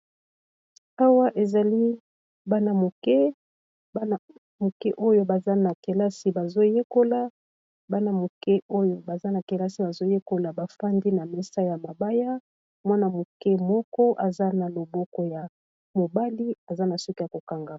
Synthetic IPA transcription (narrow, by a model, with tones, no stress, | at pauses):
a˦wa˦ʔe˨za˨li˦ | ba˦na˨mo˨kɛ˦ | ba˦˨ | mo˨kɛ˦ʔo˦jo˦ba˨za˦na˨ke˨la˦si˨ba˨zo˦je˦ko˦la˦ | ba˦na˨mo˨kɛ˦ʔo˦jo˦ba˨za˦na˨ke˨la˦si˨ba˨zo˦je˦ko˦la˨ba˨fa˦ndi˦na˨mɛ˦sa˦ja˨ma˨ba˦ja˦ | mwa˦na˨mo˨kɛ˦mɔ˦kɔ˦ʔa˨za˦na˨lo˨bɔ˦kɔ˦ja˨ | mo˨ba˦li˦a˨za˦na˨su˦ki˦ja˨ko˨ka˨ŋɡa˨